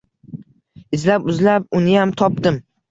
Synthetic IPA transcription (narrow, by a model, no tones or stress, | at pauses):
ɪzlapʊzlap̚ʊnɪjamt̪ʰɒp̚d̪ɪm